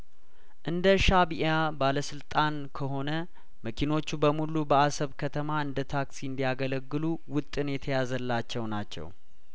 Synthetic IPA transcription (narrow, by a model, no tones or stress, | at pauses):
ʔɨnd̪əʃaβiʔabaləsɨlt̪ʼan | kʰəɦo̞nə | məkʰino̞t͡ʃːubəmulubəasəβkʰət̪ʰəmaɨnd̪ət̪ʰaksiɨnd̪ijaɡələɡːɨluwʊt̪ʼːɨnjɛt̪ʰəjazəlːat͡ʃːɛwnat͡ʃːɛ̰w